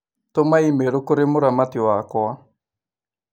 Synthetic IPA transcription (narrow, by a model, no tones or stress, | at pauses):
tomaimeɾʊkʊɾɪmʊɾamatiwakɔa